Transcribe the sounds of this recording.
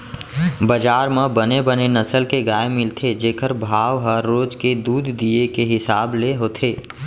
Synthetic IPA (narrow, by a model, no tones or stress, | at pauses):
bəd͡ʒaːɾmẽbənebənenəsəlkeɡaːemɪlt̪ʰed͡ʒeːkəɾbʱaːʋɦəɾːoːd͡ʒked̪uːd̪ːiekeɦɪsaːbleɦoːt̪ʰeː